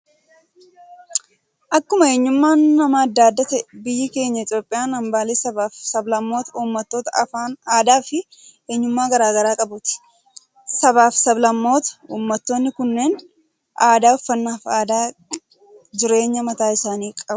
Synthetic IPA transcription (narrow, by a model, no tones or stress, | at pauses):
ʔɐkːʊmɐe̞ːɲːʊmːaːnːɐmɐɐd̪ːaːd̪ːɐt̪ɐbɪjːɪke̞ːɲːɐɪt̪ʼjoːpʼːɪjaːnɐmbaːleːsɐbaːfsɐblɐmːo̞ːt̪ɐuːmːɐt̪ːoːt̪ɐaːaːd̪aːfɪ | e̞ːɲːʊmːaːɡɐɾaːɡɐɾaːkʼɐbʊːt̪ɪ̥ | sɐbaːfsɐblɐmːo̞ːt̪ɐ̥uːmːɐt̪ːo̞ːnːɪkʊnːe̞ːn | ʔaːd̪aːʊfːɐnːaːfaːd̪aː | d͡ʒɪɾe̞ːɲːɐmɐt̪aːɪsaːniːkʼɐb